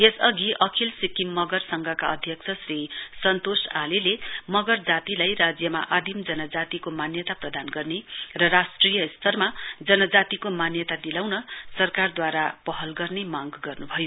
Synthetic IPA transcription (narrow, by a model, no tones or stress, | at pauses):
esʌɡiʔʌkʰilsikimːʌɡʌrsʌŋɡʱʌkaʌd̪ʱjʌk̚t͡sʰʌsrisʌnt̪osalelemʌɡʌrd͡zat̪ilajrad͡zjʌma̰ʔad̪ʱimd͡zʌnʌd͡zat̪ikomanjʌt̪aprʌd̪anɡʌrnerʌrasʈrijʌist̪ʰʌrmad͡zʌnʌd͡zat̪ikomanjʌt̪ad̪ilawnʌsʌrkard̪waɾapʌɦʌlɡʌrnemaŋɡɡʌrnubʱʌjo